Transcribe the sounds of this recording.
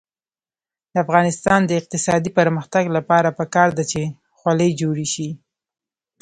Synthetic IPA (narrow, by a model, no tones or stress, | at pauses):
d̪əafɣɑnɪst̪ɑnd̪əɪq̚t̪ɪsɑd̪ipəɾməxt̪aɡlapɑɾapəkɑɾd̪at͡ʃe | xwaləjd͡ʒoɽeʃi